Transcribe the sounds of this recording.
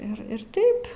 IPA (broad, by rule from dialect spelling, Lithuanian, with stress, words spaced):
ɪr ˈɪr ˈtɐɪp